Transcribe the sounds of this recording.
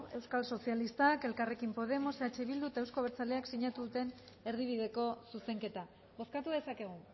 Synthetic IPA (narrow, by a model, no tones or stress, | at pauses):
e̞wskalso̞sialist̪ake̞lkare̞kimpo̞ð̞e̞mo̞seat͡ʃeβild̪uet̪aewsko̞βeɾt͡saleaksiɲat̪uðut̪e̞n | e̞ɾð̞iβ̞iðe̞ko̞suse̞ŋke̞t̪a | bo̞skat̪uðe̞sake̞ɣ̞u